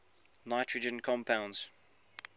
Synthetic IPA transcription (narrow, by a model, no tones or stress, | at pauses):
naɪtʰɹəd͡ʒə̃nkʰɔ̃mpʰãʊ̃nz̥